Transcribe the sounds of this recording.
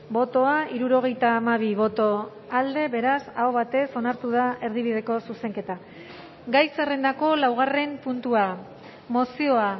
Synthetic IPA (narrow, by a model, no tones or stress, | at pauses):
bo̞t̪o̞aiɾuɾo̞ɣ̞e̞jt̪aːmaβ̞iβo̞t̪o̞ | ald̪e̞βe̞ɾasaoβat̪e̞so̞naɾt̪uð̞ae̞ɾðiβið̞e̞ko̞suse̞ŋke̞t̪a | ɡajse̞rend̪ako̞lawɣ̞are̞mpunt̪ua | mo̞sio̞a